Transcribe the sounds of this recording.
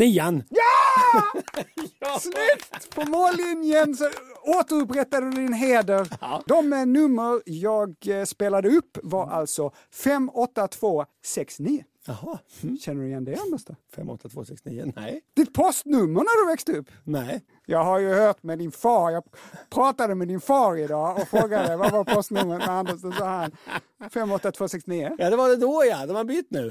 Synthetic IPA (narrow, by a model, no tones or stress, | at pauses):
niːanjɑː | slɛt̪pʰɔmoːlɪnjənsɔoːt̪əɾɵp̬ɾɛt̪ːad̪əd̪d̪ɪnɦeːd̪əɾd̪ɔmnɵmːəɾjɑːɡspeːlad̪əɵpːvaɾa̰lt̪sɔ | fɛmːɔt̪ːat̪ʰv̥oːsɛksniːə | ahɑhɕɛnːəɖɵjɛnd̪ɛɛnmɛst̪afɛ̰mːɔ̰t̪ʰːat̪vo̰ːsɛksnḭːə̰nɛ̰jd̪̥ɪt̪̚pʰɔst̪nɵmːəɾɳaɾd̪ɵvɛkst̪ɵpːnɛɪ | jɑːɡɦaɾjɵhœːʈ̪mɛd̪ɪnfɑːɾjɑːɡpʰɾɑːt̪ad̪əmɛd̪ɪnfɑːɾɪd̪ɑːɔfɾoːɡad̪əvavaɾpʰɔst̪nɵmːəmɛand̪əʂd̪ɔsɑːɦan | fɛmːɔt̪ːat̪ʰv̥oːsɛksniːəjad̪ɛvaɖɛd̪ojad̪ɛmabyt̪ːnʉː